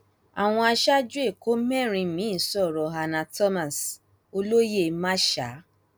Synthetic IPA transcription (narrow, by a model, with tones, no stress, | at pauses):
a̰˨w̃ɔ̃˧a˧ʃa˦d͡ʒu˦e˦˨ko˦mɛ̃˦˨ɾ̃ĩ˧mĩ˨˦i˦˨sɔ˦˨ɾɔ˨ɦa˧nã˨tɔ˦mã˨s | o˧lo˦je˦˨mã˦ʃa̰˨˦